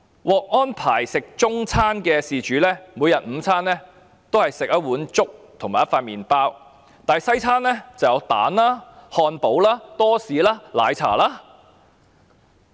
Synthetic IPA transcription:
wɔː˨k̚ŋɔː˥npʰa̰ː˨˩jsɪ˨k̚t͡sʊ˥ŋt͡sʰaː˥nkɛː˧siː˨t͡ʃyː˨˥lɛː˥muː˨˧jɐ˨t̚m̩ː˨˧˥t͡sʰaː˥nlɛː˥ | t̪o˥whɐ˨jsɪ˨k̚ɐ˦˥t̚wuː˨˥nt͡ʃʊ˥k̚t̪ʰʊ˨˩ŋmaː˨˩jɐ˥tfaː˧t̚miː˨npaː˥w | t̪aː˨˧jsɐ˥jt͡sʰaː˥nlɛː˥t͡sɐ˨wjɐ˨˧wt̪a̰ː˨˥nlaː˥hɔː˧npo˨˥wlaː˥t̪ɔː˥siː˨laː˥la̰ː˨˧jt͡sʰa̰ː˨˩laː˥

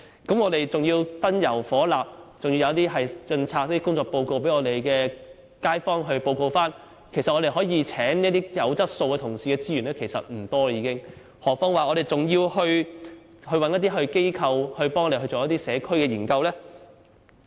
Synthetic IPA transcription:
kɐ˨˥mɔː˨˧ɾe˨jt͡sʊ˨ŋjiː˧wt̪ɐ˥njɐ˨˩wfɔː˨˥laː˨p̚t͡sʊ˨ŋi˧jɐ˨˧wɐ˥t̪̬iː˥ɦɐ˨jt͡ʃɵ˧nt͡sʰaː˧k̚ɐ˥t̪ːi˥kʊ˥ŋt͡sɔː˨k̚po˧wko˧wpe˨˥jŋɔː˨˧t̪e˨˩jkɛː˧ | kaː˥jfɔː˥ŋɦɵ˧ɥpo˧wko˧wfaː˥n | kʰe˨˩sɐ˨t̚ɔː˧ɾe˨jɦɔː˨˥jiː˨˧t͡sʰɛː˨˥ŋniː˥t̪iː˥jɐ˨˧wt͡sɐ˥t̚so˧wkɛ˧t̪ʰʊ˨˩ŋsiː˨kɛː˧t͡siː˥ɥyː˨˩nlɛː˥kʰe˨˩jsɐ̰˨t̚m̩˨˩t̪ɔː˥˧jiː˧kɪ˥ŋ | hɔː˨˩k̚fɔː˥ŋwaː˨ɔ˨˧ɾe˨jt͡sʊ˨ŋjiː˧whɵ˧ɥ | hɵ˧ɥwɐ˨njɐ˥t̪̬̚iː˥ɦɵ˧ɥke˥jkʰɐ˧whɵ˧ɥpɔː˥ŋɔː˨˧ɾe˨˩ɦɵ˧ɥt͡soː˨wjt̪iː˥sɛː˨˧kʰɵ˥ɥkɛː˧jiː˨˩nkɐ˧wlɛː˥

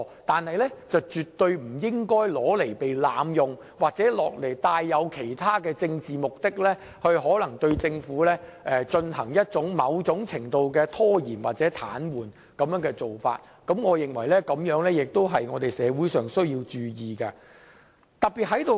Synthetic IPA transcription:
t̪aː˨nhɐ˨jlɛ˥t͡sɐ˨wt͡ʃyː˨t̪ːɵ˧ɥm̩˨˩jɪ˥ŋkɔː˥jlɔː˨˥le˨˩jpe˨jlaː˨˧mjʊ˨ŋ | waː˨k̚t͡sɛː˨˥lɔː˨k̚le˨˩jt̪aː˧jːɐ˨˧wkʰe˨˩jt̪ʰaː˥kɛː˧t͡sɪ˧ŋt͡siː˨mʊ˨k̚t̪ɪ˥k̚lɛː˥ | hɵ˧ɥɦɔː˨˥lɐ˨˩ŋt̪ɵ˧ɥt͡sɪ˧ŋfuː˨˥lɛː˥ʔɛ˧t͡ʃɵ˧nɦɐ˨˩ŋjɐ˥t̚t͡sʊ˨˥ŋmɐ˨˧wt͡sʊ˨˥ŋt͡sʰɪ˨˩ŋt̪o˧wkɛː˧t̪ʰɔː˥jiː˨˩nwaː˨t̚t͡sɛː˨˥t̪ʰa̰ː˨˥nwuː˨˩n | kɐ˨˧mjœː˨˥ŋkɛː˧t͡so˨˩wfa̰ː˧t̚ | kɐ˨˥mŋɔː˨˧jɪ˨ŋwɐ˨˩jlɛː˥kɐ˨˥mjœː˨˥ŋlɛː˥jɪ˨k̚t̪o˥wɦɐ˨jŋɔː˨˧t̪e˨jsɛː˨˧wuː˨˥jsœː˨ŋsɵ˥ɥjiː˧wt͡ʃyː˨jiː˨kɐ˧ | t̪ɐ˨k̚piː˨t̚ɦɐ˨˥jt̪o˨

